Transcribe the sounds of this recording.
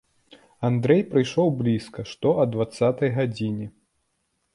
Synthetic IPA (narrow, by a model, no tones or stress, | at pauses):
and̪ɾɛjpɾɨjʂɔwblʲiskɐʂt̪ɔʔɐd̪vat̪sːat̪ɐjɣad͡zʲinʲi